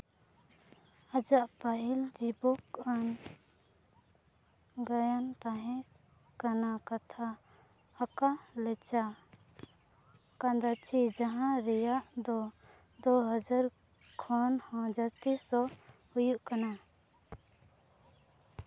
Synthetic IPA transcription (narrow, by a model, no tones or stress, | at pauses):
ad͡ʒaʔpaʔild͡ʒibɔkan | ɡajant̪ãɦɛ̃ | kanakat̪ʰaː | kalɛt͡ʃa | kand̪at͡ʃʰid͡ʒaɦãɾɛjaʔd̪ɔ | d̪ɔɦɔd͡ʒaɾ | kʰɔnhɔ̃d͡ʒast̪isɔhujuʔkana